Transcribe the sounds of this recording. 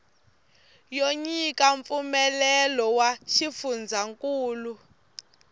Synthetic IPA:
joɲikʼaɱp̪fumɛlɛlɔwaʃifund͡zʱaŋkʼuːlu

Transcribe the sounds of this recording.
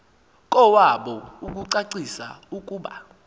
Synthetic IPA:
kʼɔwaɓɔuk̬uǀaǀisa̰ukʼuːɓa̰

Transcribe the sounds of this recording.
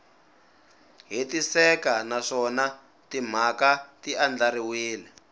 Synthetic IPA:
ɦitisɛkanaʂɔna | tim̤akatiand͡ɮaɾiwiːlɛ

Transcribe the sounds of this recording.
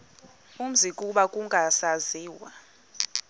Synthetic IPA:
um̩zikʼuɓakʼuŋɡʱasaziːwa

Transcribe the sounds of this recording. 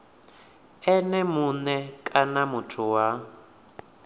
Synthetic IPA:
ɛnɛmunɛkʼanamutʰuwa

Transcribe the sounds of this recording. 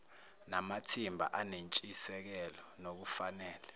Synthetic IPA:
namatʰimbʱa̰ʔanent͡ʃʼisɛk̬ɛlɔnok̬ufanɛːlɛ

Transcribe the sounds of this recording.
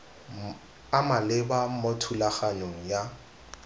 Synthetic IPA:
amalɪbamotʰulaχanoŋ̩ja

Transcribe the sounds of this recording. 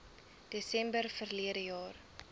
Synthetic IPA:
d̥esɛmbərfərliədəjɑːr

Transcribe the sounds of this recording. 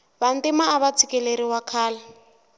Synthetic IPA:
βan̩tɪmaːβat͡sʰikɛleɾiwakʰaːla

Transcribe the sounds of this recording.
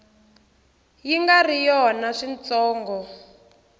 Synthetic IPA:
jiŋɡarijɔnaʂint͡sɔːŋɡɔ

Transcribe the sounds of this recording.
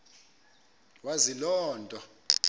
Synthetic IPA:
wazilɔːndʼʱɔ

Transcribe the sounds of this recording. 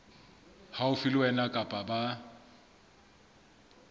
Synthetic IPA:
haʊfilwɛnakʼapʼaba

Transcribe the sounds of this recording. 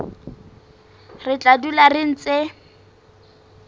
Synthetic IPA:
rɪt͡ɬʼadularɪn̩t͡se

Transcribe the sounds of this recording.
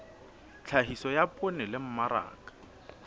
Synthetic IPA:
t͡ɬʰaɦisɔjapʼʊnɪlɪm̩maɾa̰ːkʼḁ

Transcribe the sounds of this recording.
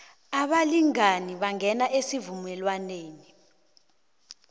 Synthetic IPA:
aɓaliŋaniɓaŋɡʱɛnaʔesivumɛlwaneːni

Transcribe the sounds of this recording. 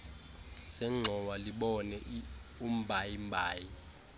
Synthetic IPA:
sɛŋ͡ǁʱɔwaliɓɔnɛʔum̩bʱajim̩bʱaːji

